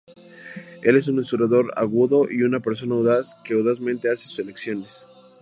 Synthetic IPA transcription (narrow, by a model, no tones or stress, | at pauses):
e̞le̞s̬unesuɾaðo̞ɾa̰ɣuðo̞ʔiunape̞ɾs̬o̞nauðaske̞oðazmẽnt̪e̞asesu̥seleksjo̞nes